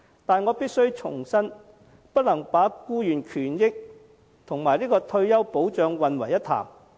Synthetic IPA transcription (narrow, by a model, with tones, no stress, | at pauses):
t̪aː˨nŋɔː˨˧piː˥t̚sɵ˥ɥt͡ʃʰʊ̰˨˩ŋsɐ˥n | pɐ˥t̚lɐ˨˩ŋpaː˨˥kuː˥jyː˨˩nkʰyː˨˩njɪ˥k̚ | t̪ʰʊ˨˩ŋmaː˨˩jliː˥kɔː˧t̪ʰɵ˧ɥjɐ˥wpo˨˥wt͡ʃœː˨˧ŋwɐ˨nwɐ˨˩jɐ˥t̪ʰa̰ː˨˩m